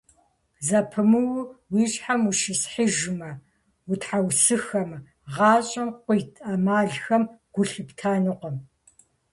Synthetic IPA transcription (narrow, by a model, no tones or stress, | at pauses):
zɐpʰɨmɨwwiːɕħamuʃɪsħɪʒɨmɐ | wʊtʰħawsɨxɐm | ʁɑːɕʼɐmqʷʊjtʰʼɐmaːɮxɐmɡ̥ʷʊɬɨptʰaːnɨqʷɔm